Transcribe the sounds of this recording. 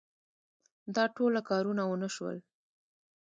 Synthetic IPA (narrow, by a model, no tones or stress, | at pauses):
d̪ɑʈolakɑɾunawənəʃwə̰l